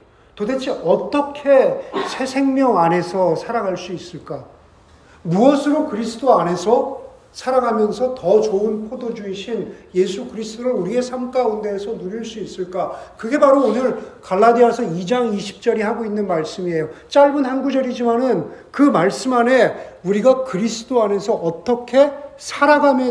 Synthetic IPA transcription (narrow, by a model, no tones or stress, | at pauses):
todet͡ɕʰiʌt͈ʌkʰe̞sʰe̞sʰe̞ŋmjʌŋanɦe̞sʰʌsʰaɾaŋɦaɭs͈uis͈ɯɭk͈a | muʌsʰɯɾokɯɾisʰɯdoane̞sʰʌ | sʰaɾaŋɦamjʌnsʰʌtʌt͡ɕoɯnpʰodod͡ʑuiɕʰinje̞sʰukɯɾisʰɯtoɾɯɾuɾie̞sʰamk͈aunde̞ːsʰʌnuɾiɭs͈uis͈ɯɭk͈akɯɡe̞baɾoːnɯɭkaɭːadiasʰʌid͡ʑaŋiɕʰi̥p̚t͡ɕ͈ʌɾiɦaɡoinːɯnmaɭs͈ɯmie̞jot͡ɕ͈aɭbɯnhanɡud͡ʑʌɾid͡ʑimanɯnkɯmaɭs͈ɯmane̞uɾiɡakɯɾisʰɯdoane̞sʰʌʔʌt͈ʌkʰe̞sʰaɾaɡʱamjʌ